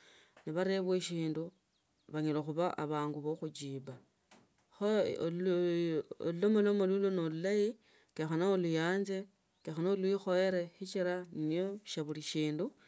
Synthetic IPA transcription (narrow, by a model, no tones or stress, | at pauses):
niβaɾe̞βweʃiːndu | βaɲiloxuβaʔa̰βaːŋɡuβoxud͡ʒiːba | xo | lulomolomolulonolulaji | kexanoolujaːnze̞ | kexanolwixo̞eɾe̞xit͡ʃiɾannijoʃaβuliʃiːndu